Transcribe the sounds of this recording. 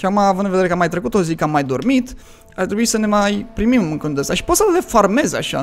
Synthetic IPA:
kʲakumaːvund̪nved̪eekəamːajt̪ɾekut̪o̞zikəamːajd̪o̞rmit̪ | art̪ɾebuisəne̞majpɾimimɨŋkɨnd̪əst̪aʃi̥pot̪səd̪efarme̞za̰ʃa̰

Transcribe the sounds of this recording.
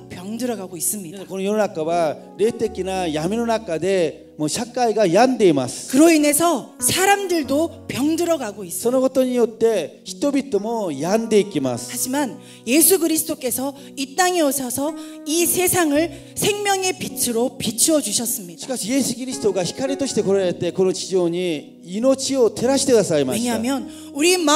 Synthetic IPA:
pjʌŋdɯɾʌɡaɡois͈ɯmɲidesakonɯnjononak͈awa | ɾe̞t͈ek͈inajaminonak͈ade̞ | mʌɕʰak͈aiɡajandeima̰skɯɾoine̞sʰʌsʰaɾamdɯɭdopjʌŋdɯɾʌɡaɡois͈sʰʌnoɡʌt͈oɲiot͈e̞çi̥t͈obit͈ʰomojande̞ik͈ːima̰sad͡ʑiman | je̞sʰuɡɯɾisʰɯ̥t͈ok͈e̞sʰʌ | it͈aŋe̞oɕʰʌsʰʌisʰe̞sʰaŋɯɭ | sʰe̞ŋmjʌŋe̞pit͡ɕʰɯɾopit͡ɕʰiwʌd͡ʑuɕʰʌs͈ɯmɲidaɕi̥kaɕije̞sɯkiɾist̪oɡaçi̥kʰaɾʲit̪oɕi̥t̪e̞koɾaɾeɭt̪e̞konot͡ɕid͡ʑoɲiː | not͡ɕʰiot̪e̞ɾaɕit̪ekɯasaimaeɲaɦamjʌn | uɾim

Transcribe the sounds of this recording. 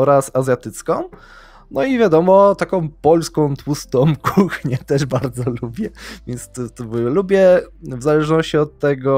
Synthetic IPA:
ɔɾasazʲjat̪ɘt̪skɔ̃w̃ | nɔivʲjad̪ɔmɔt̪akɔ̃w̃pɔlskɔ̃w̃t̪wust̪ɔ̃wkʰuxɲɛt̪ɛʐbaɾd̪zɔlubʲjɛvʲjɛnst̪t̪ubɛlubʲjɛvzalɛʐnɔɕt͡ɕiɔt̪ːɛɡɔ

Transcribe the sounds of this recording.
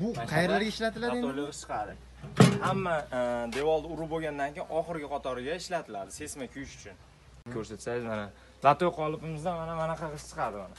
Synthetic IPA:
bʊqʰɑjɾlaɾɡʲaɪʃlat̪ʰɪlad̪et͡ʃʰɨ̥qʰɑd̪ɪ | hamːad̪e̞vɒlˠd̪aʊɾʊboɡʲand̪ankʲʰejɪnʔɒχɨɾɡʲɪqʰɒt̪ʰɒɾɪɡʲaɪʃlat̪ʰɪlaɾd̪ɪse̞smakʲʰʊjʃʊ̥t͡ʃʰʊn | kʰɵɾset̪sajɪzmana | lat̪ojqʰɒlˠɪpɪmɪzd̪anmanamanaqʰɑʁɪʃt͡ʃʰə̥qʰɑɾd̪ɪmana

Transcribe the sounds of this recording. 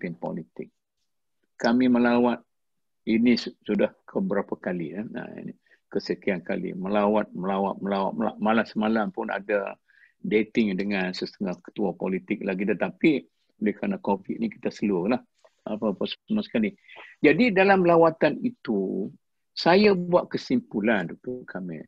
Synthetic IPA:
pinpɔ̰lit̪ɪk̚ | kːamĩməlawat̪̚ | inissudahkʰəbəɾapakalinaa̰ḭn | kəsəkianka̰lḭməlawat̪̚məlawa̰t̪̚məlawa̰t̪əla̰malamsəmalampʊna̰da | det̪ɪŋdəŋansəst̪əŋahkə̥t̪uapolit̪ɪk̚laɡit̪ət̪api | olɛhkɾanakofiʔ̪̚niki̥t̪asəlʊrlah | apapəsəmasə̥kali | d͡ʒadidalamlawat̪anit̪u | sajabuaʔkəsimpuland̪uk̚t̪oʔkʰamɪ̰

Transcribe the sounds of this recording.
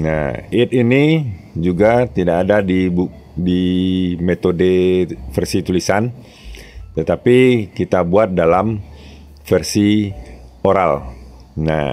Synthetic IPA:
na̰ɪt̪ini | d͡ʒuɡat̪idakːdadibu | dimet̪odefərsit̪ulisan | t̪ət̪apikit̪abuat̪̚dalam | fərsi | oɾal | na̰

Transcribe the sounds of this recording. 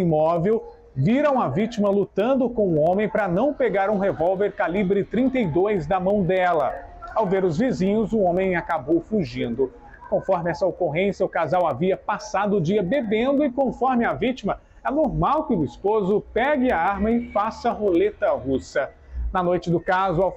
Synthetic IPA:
imɔvew | viɾɐ̃w̃ɐvit͡ʃimɐlut̪ɐ̃nd̪ʊkõw̃ʊõmẽj̃pɾɐnɐ̃w̃peɡaɾũɦevɔwveɾkalibɾɪt̪ɾĩnt̪ejd̪ojzd̪ɐmɐ̃w̃d̪ɛlɐawveɾʊzvizĩɲʊzʊõmẽj̃akabowfuʒĩnd̪ʊ | kõfɔɾmɪɛsɐokoɦẽsjɐʊkazawaviɐpasad̪ʊːd͡ʒiɐbebẽnd̪ʊɪkõfɔɾmɪɐvit͡ʃimɐ | ɛnoɾmawkɪʊispozʊpɛɡɪɐaɾmɐɪfasɐɦolet̪ɐɦusɐ | nɐnojt͡ʃɪd̪ʊkazʊaw

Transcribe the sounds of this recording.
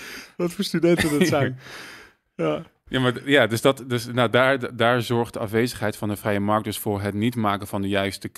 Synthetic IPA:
ʋɑtfoːɹstydɛntəndɑsɛ | ja | jamaːɹjaːdɵsdɑtdøsnadaːɹdaːɹzɔɹχdəɑfʋejzəχɦɛjtfɑndəvrɛjəmɑɹk̚dɵsfʊːɹɦətnitmaːkənvɑndəjœɥstək

